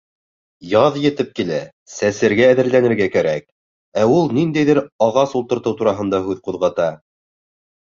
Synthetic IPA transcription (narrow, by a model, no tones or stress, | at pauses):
jɑðjɘ̆t̪ɘp̚kilæ | sæsɘ̆ɾɡæːðɘ̆ɾlænɘ̆ɾɡækæɾæk̚ | æulˠnind̪æjðɘɾɑʁɑsulˠt̪ɤ̆ɾt̪ɤwt̪uɾɑɦɤ̆nd̪ɑɦʉðquðʁɑt̪ɑ